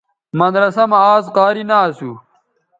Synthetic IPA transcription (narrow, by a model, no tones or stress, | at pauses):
mɐnɾɐsɐmaːzqaːɾinaːsu